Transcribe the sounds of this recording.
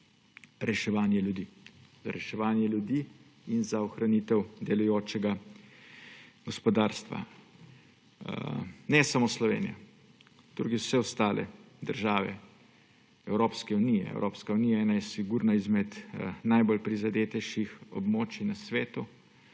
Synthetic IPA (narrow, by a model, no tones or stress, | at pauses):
ɾɛʃɛʋaːnjɛljud̪iz̥a̰ɾɛʃɛʋaːnjɛljud̪i | inzaɔxɾanit̪ɛwd̪ɛlujoːt͡ʃɛɡa | ɡ̥ɔspɔd̪aːɾst̪ʋa̰ | nɛsamoːslɔʋḛːnija̰ | d̪̥ɾuɡiwsɛɔst̪aːlʔɛ̰ | d̪əɾʒaːʋɛ̰ | ɛwɾoːpskɛunijɛ̰ɛ̰wɾoːpskaunijaɛːnajɛsiɡuːɾnaizmɛt̪najbolpɾizad̪eːt̪ɛjʃixɔ̰bmoːt͡ʃinasʋeːt̪u